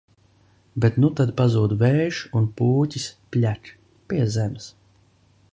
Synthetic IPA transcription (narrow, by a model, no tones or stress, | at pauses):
bet̪nut̪ad̪pazuːd̪vɛːʒunpuːtʲisplʲat | piɛzɛms